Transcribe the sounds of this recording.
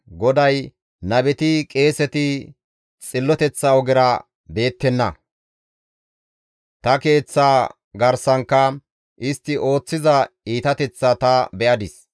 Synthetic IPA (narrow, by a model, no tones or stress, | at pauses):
ɡɔd̪ɐj | nɐbɛt̪ɪkʼe̞ːsɛt̪ɪ | t͡sʼɪlːɔt̪ɛt͡sːɐɔɡɪɾɐ | be̞ːt̪ːɛnːɐ̰ | t̪ɐke̞ːt͡sːaː | ɡɐɾsɐŋkːɐ | ʔɪst̪ːɪʔo̞ːt͡sːɪzɐiːt̪ɐt̪ɛt͡sːɐt̪ɐbɛʔɐd̪ɪs